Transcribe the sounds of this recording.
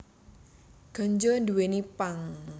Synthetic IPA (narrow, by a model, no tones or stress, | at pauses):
ɡ̥a̤ɲd͡ʒond̪uwenipaŋ